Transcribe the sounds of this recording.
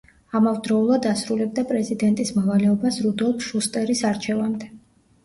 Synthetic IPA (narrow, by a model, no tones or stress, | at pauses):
amavd̪ɾɔulˠad̪asɾulɛb̚d̪apʼɾɛzid̪ɛnt̪ʼismɔvalɛɔbasɾud̪ɔlˠpʰʃust̪ʼɛɾisaɾt͡ʃʰɛvamd̪ɛ